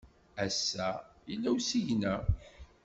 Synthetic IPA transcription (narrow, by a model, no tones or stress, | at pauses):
æsːæilːæwsiʝnæ